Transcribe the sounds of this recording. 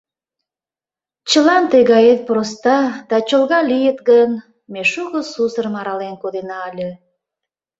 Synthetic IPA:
t͡ɕəlɑnt̪əjɣɑjet̪̚pɾost̪ɑd̪ɑt͡ɕolɣɑlʲijət̪ɡən | meʃuɣəsusəɾəmɑɾɑlenkod̪enɑːlʲə

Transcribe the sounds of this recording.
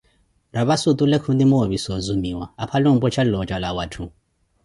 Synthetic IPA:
ɾaβasut̪ʼulekʰundimoβisɔzumiwaapʰaloŋ̩bɔt͡ʃʰallɔt͡ʃʼalawatʰu

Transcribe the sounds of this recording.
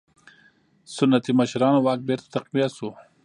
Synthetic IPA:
sʊnːat̪imaʃɾɑːnowɑːk̚beɾt̪at̪aqwijat̪su

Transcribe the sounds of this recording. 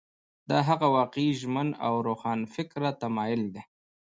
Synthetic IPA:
d̪ɑːɦaɣawɑːqiʒməna̰wɾoxɑːnfɪkɾat̪amɑjʊld̪e

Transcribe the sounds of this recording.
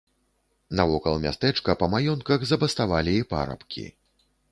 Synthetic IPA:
nɐvɔkɐlˠmʲa̰st̪ɛt͡ʂkɐpɐmajɔnkɐɣzɐbɐst̪avalʲiːpa̰ɾɐ̰pkʲḭ

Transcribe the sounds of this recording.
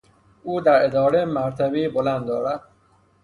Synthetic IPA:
uːd̪æɾed̪ɒːɾemæɾt̪ʰæbiːbolænd̪d̪ɒːɾæd̪̥

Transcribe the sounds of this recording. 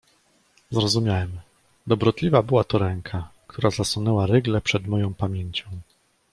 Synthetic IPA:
zɾɔzumʲjawɛm | d̪ɔbɾɔt̪lʲivabɘwat̪ɔɾɛŋkʰakt̪ʰuɾazaswunɛwaɾɘɡlɛpʂɛd̪mɔjɔ̃w̃pamʲjeɲt͡ɕɔ̃w̃

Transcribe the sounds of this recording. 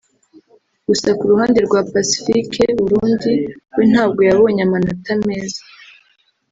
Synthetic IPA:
ɡ̥usakuɾuhaːnde̞ɾɡwapasi̥fikʰe̞βuɾuːndiwin̥haːbɡo̞jaβo̞ːɲamanatame̞ːzḁ

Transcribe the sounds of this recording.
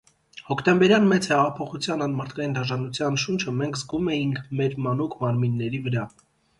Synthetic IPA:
hɔkʰt̪ɛmbɛɾjɑnmɛt͡sʰhɛʁɑpʰɔχut͡sʰjɑnɑnmɑɾt̪ʰkɑjind̪ɑʒɑnut͡sʰjɑnʃunt͡ʃʰəmɛŋkʰzɡumɛjiŋkʰmɛɾmɑnukʰmɑɾminːɛɾivəɾɑ

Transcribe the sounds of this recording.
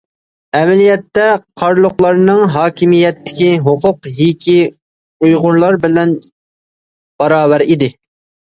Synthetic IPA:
ɛmɛlijɛt̪ːɛqʰɑɾlˠʊχlˠɑɾnɨŋɦɑːkʲʰimijɛt̪ːɪ̥kʲiɦʊqʰʊqɦikʲʰi | ujʁʊɾlˠɑɾbɪlɛn | b̥ɑɾɑːwɛɾid̪ɪ

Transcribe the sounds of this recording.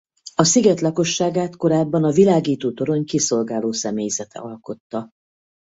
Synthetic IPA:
ɒsiɡɛt̪lɒko̞ʃːaːɡaːt̪ko̞ɾaːbːɒnɒvilaːɡiːt̪oːt̪o̞ɾo̞ɲkiso̞lɡaːloːsɛmeːjzɛt̪ɛ̰ɒlko̞t̪ːɒ

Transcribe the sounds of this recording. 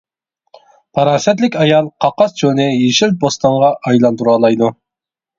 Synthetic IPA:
pʰɑɾɑːsɛt̪lɪkʲɑjɑlˠqʰɑqɑst͡ʃʰonɪjeʃil̚bost̪ɑɴʁɑʔɑjlˠɑnd̪uɾɑːlˠɑjd̪u

